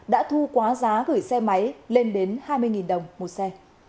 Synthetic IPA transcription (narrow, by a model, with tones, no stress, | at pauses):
ɗa̰ː˧˥t̪ʰu˧kwaː˨˦zaː˨˦ɣɨ˧˩jsɛ˧ma˨˦jle˧nɗe˨˦nhaː˧jmɨ˧əjŋi˨˩nɗə˨˩wŋ͡mmo˨˩t̚sɛ˧